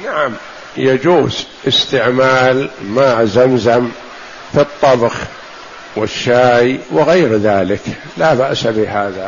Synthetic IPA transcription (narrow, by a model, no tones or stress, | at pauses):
naʕam | jad͡ʒuːzʔɪst̪ɪʕmaːlmazamzam | fit̪ˤːɑbx | wɪʃːaːjwɪɣaːɾðaːlɪk | laːbaʔsabɪɦaːða